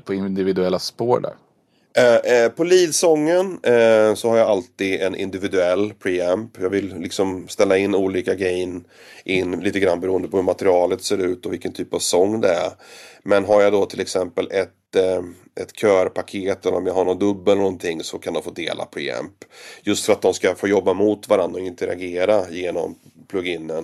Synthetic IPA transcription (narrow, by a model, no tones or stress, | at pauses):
pʰɔɪnd̪ɪvɪd̪ɵɛlːaspoːɾɖæ̰ɾ | pʰɔliːd̪sɔŋːənsɔhaɾjaalt̪iːd̪ɛnʔɪ̰nd̪ɪvɪd̪ɵɛlːpʰɾeːɛmpjɑːɡvɪlːɪksɔmst̪ɛlːaɪnːuːliːkaɡɾɛjən | ʔɪnːliːt̪əɡɾanːbɛɾuːənd̪əpʰɔhɵɾmat̪ɾɪɑːlət̪seːɾʉ̟ːt̪ɔvɪlkːənt̪ʰyːpavsɔŋːd̪ɛæ̰ɾmɛnɦaɾjad̪ɔt̪ʰɪlɛksɛmpəlʔɛt̪ | ɛt̪kʰœːɾpʰakʰeːt̪ɛlːə̰ɾɔmjaɡɦaɳɔnd̪ɵbːəlːɛɾnɔnt̪ʰɪŋːsɔkʰand̪ɔmfoːd̪ḛːlʔa̰pʰɾɛɛ̰mpjɵst̪fœɾat̪̚d̪ɔmskafoːjɔbːamʊt̪vaɾand̪ɾaɔɪnt̪əɾa̰ɡeːɾajeːnɔ̰m | pʰlɵɡɪnːən